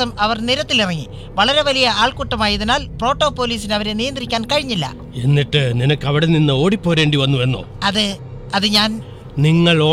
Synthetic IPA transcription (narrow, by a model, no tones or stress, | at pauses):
ɐmɐʋɐrniɾɐt̪ːilirɐŋːi | ʋɐɭɐɾe̞ʋɐlijɐaːɭkuʈːɐmaːjɐðinaːlpro̞ːʈːo̞ːpo̞ːliːsinɐʋɐɾe̞nijɐnd̪rikʲːaːnkɐɻiɲːilːɐ̰ | e̞nːiʈːɨninɐkːɐʋiɽeninːɨo̞ːɽipːo̞ːɾe̞ːɳɖiʋɐnːue̞nːo̰ːɐðɨ | ɐðɨɲaːn | niŋːɐɭoː